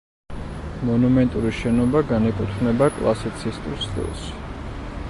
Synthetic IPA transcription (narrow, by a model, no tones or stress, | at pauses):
mɔnumɛnt̪ʼuɾiʃɛnɔbaɡanikʼut̪ʰmnɛbakʼlˠa̰sit̪sʰist̪ʼɾst̪ḭlˠs